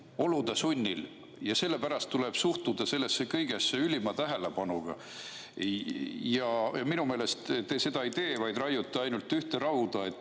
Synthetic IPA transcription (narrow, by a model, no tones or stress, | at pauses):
o̞lud̪ɑsunʲːil | jɑse̞lːe̞pæɾɑst̪ːule̞b̥suht̪ud̪̥ɑse̞lːesːe̞kɤjɡ̥e̞sːeylʲimɑt̪æɦe̞le̞bɑnuɡ̥ɑ̰ | jɑminume̞ːle̞st̪t̪e̞se̞d̪ɑit̪e̞ːvɑjd̪rɑjːut̪ːˑɑɑjnult̪ːˑyht̪e̞ɾɑud̪̥ɑe̞t̪ːˑ